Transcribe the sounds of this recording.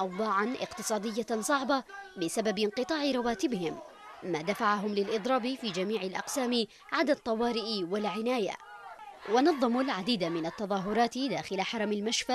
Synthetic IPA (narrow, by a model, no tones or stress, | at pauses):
ʔɑwd̪ˤɑːʕanʔɪ̰qt̪ɨsˤɑːd̪ɪjːasˤɑʕbɑbɪsababɪnqɨt̪ˤɑːʕɪɾˤɑwaːt̪ɪbɪhɪmː | aːd̪afaʕaɦʊmlɪlʔɨd̪ˤɾˤɑːbɪfiːd͡ʒamiːʕɪlʔɑ̰qsaːmɪ | ʕad̪ad̪̚t̪ˤːɑwɑːɾɪʔwalʕɪnaːja̰ | wɑnɑðˤːɑmlʕad̪iːd̪amɪnat̪ːɑðˤɑːɦʊɾˤɑːt̪ɪd̪aːxɪlaħɑɾˤɑmɪlmaʃfaʔ